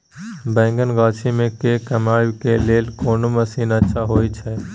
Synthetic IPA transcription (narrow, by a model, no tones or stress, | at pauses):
bɛ̃ːŋɡənɡaːt͡ʃʰimẽkekəmaːkeleːlkoːnoməsiːnətːʃʰaɦoːjt͡ʃʰɛ